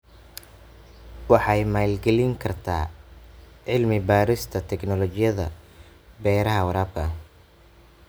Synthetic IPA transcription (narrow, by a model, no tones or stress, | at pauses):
wɑħɑjmaːlɡɛlɪŋkʰɐrt̪ʰa̰ː | ʕɪlmɪbaːɾɪst̪ʰɐt̪ʰɛknɔlɔt͡ʃɪjɐðɐ̰ | bɛːɾɐɦɐwɐɾaːb̚kʰɐ